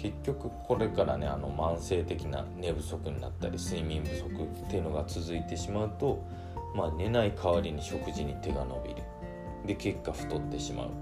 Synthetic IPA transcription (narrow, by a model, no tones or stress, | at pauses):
ke̞kʲːo̞kɯ̟kʰo̞ɾe̞kaɾa̰ne̞̰a̰no̞mãɰ̃se̞ːt̪e̞kʲina̰ne̞bɯ̟so̞kɯ̟ɲ̟ina̰t̪ːa̰ɾʲisɨimʲĩmbɯ̟so̞kɯ̟t̪ːeɯno̞ɡat͡sɨzɨit̪e̞ɕimaɯ̟t̪o̞ | maːne̞naikʰaβaɾʲiɲ̟iɕo̞kɯ̟ʑiɲ̟it̪e̞ɡano̞bʲḭɾɯ̟ | d̪e̞ke̞kːaɸɯ̟̥t̪o̞t̪ːe̞ɕima̰ɯ̟̰